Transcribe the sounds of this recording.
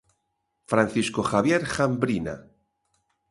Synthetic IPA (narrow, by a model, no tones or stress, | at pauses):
fɾãn̟θiskoxaβjeɾxambɾina̰